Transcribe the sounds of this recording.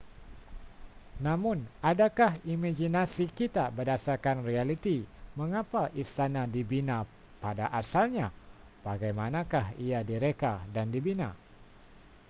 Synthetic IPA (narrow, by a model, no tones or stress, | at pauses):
nãmʊ̃nadakahimad͡ʒinasikit̪abərdasarkanrialit̪iməŋapaʔist̪anadibinã | padaʔasalɲa | b̥aɡajmanãkaɦijadiɾekadandibina̰